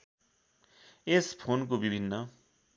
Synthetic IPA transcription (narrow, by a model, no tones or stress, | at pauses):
espʰonkobibʱinːʌ